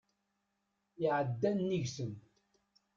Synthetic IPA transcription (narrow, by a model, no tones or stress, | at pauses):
ɪʕəd̪ːænːiʝsən